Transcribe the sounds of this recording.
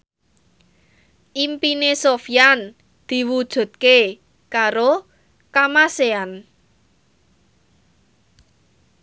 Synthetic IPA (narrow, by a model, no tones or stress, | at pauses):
ʔimpinesofijan | d̪̥i̤wud̥ʒ̥ṳt̪̚ke | kaɾo | kamasean